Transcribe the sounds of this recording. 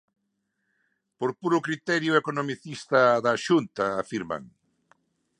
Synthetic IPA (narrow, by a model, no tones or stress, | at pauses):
poɾpuɾʊkɾit̪ɛɾjʊekonomiθist̪ɐðaʃunt̪ɐːfiɾma̰ŋ